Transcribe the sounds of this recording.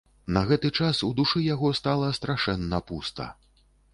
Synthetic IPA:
nɐɣɛt̪ɨt͡ʂasud̪uʂɨjaɣɔst̪alˠɐst̪ɾaʂɛnːɐpust̪ɐ̰

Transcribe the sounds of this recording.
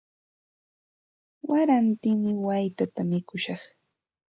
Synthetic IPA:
waɾant̪ɪŋmɪwajt̪at̪amɪkʊʃɑχ

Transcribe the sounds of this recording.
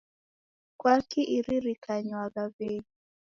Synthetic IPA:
kwakiʔiɾiɾikʰaɲwaɡaveɲi

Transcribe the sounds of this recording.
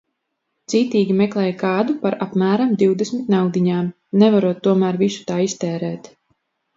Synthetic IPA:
d̪z̥iːt̪iːɡʲimɛklˠɛːjkɑːd̪upaɾapmæːɾamd̪iwd̪esmit̪nawd̪iɲaːm | nɛvaɾuɔt̪ːuɔmæːɾvisu̥t̪aːist̪ɛːɾɛːt̪

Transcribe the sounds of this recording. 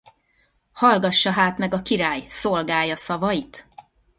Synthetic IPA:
hɒlɡɒʃːɒɦaːt̪mɛɡɒkiɾaːjso̞lɡaːjɒsɒvɒjit̪

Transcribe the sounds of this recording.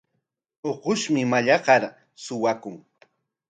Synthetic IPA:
oqʊʃmɪmaʎɑɢɑɾ | sʊwakʊŋ

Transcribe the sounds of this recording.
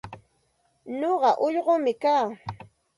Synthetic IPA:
ɲoɢɑʔʊʎɢomɪkaː

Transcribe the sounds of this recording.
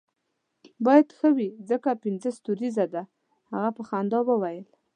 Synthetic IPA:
bɑjad̪xəwizəkapɪnzəst̪uɾizad̪a | haɣapəxand̪ɑwəwajəl

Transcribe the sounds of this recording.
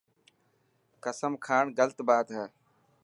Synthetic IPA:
kəsəmkʰaːɳɡəlt̪baːt̪ɦɛː

